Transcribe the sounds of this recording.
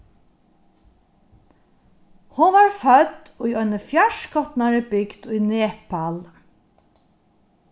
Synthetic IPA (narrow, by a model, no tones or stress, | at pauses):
hʊnʋaɹfœt̪ː | ʊjɔjnəfjaʃkʰɔt̪naɹəbɪkd̪ʊjneːpal